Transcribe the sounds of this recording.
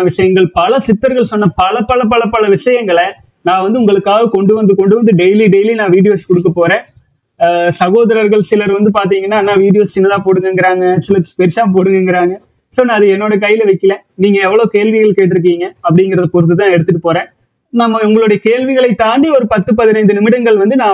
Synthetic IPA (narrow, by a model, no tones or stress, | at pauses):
ʋɪʂɐjɐŋɡɐɭpɐlɐsɪt̪ːɐɾɣɐɭsɔnːɐpɐlɐpːɐlɐpːɐlɐpːɐlɐʋɪʂɐjɐŋɡɐɭɐ | nãːʋɐnd̪ɯʊŋɡɐɭɯkːaːɣɐkɔɳɖɯʋɐnd̪ɯkɔɳɖɯʋɐnd̪ɯɖɛjliɖɛjlinãːʋiːɽɪjoːskɔɽɯk̬ːɐpːoːɾẽː | sɐɣoːðɐɾɐɾɣɐɭsɪlɐɾʋɐnd̪ɯpaːɾt̪̬iːŋɡɐnːaːnaːʋiːɽɪjoːsɪnːɐt̪ãːpoːɽɯŋɡɐŋɡɪɾaːŋɡɐsɪlɐspɛɾsaːmpoːɽɯŋɡɐŋɡɪɾaːŋɡɐ | soːnãːɐðɯɛnːoːɽɐk̬ɐjːɪlɐʋɐɪkːɐlẽːniːŋɡɐɛʋːɐɭoːkeːɭʋɪɣɐɭkeːʈ̬ːɪɾɯk̬ːiːŋɡɐɐp̬ːɐɽɪŋɡɪɾɐðɐpɔɾɯt̪ːɯt̪ːãːɛɽɯt̪ːɯʈ̬ːɯpoːɾẽː | nɐmːɐʊŋɡɐɭɯɽɐjɐkeːlʋɪɣɐɭɐɪt̪ːaːɳɖiɔɾɯpɐt̪ːɯpɐðɪnɐɪnd̪ɯnɪmɪɽɐŋɡɐɭʋɐnd̪ɯnaː